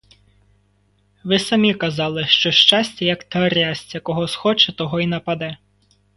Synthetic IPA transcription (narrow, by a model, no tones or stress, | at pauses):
ʋɪsɐmʲikɐzɑlˠɪʃt͡ʃɔʃt͡ʃɑsʲt͡sʲɐjɐkt̪ɔɾʲasʲt͡sʲɐkɔɦɔsxɔt͡ʃɛt̪ɔɦɔinɐpɐd̪ɛ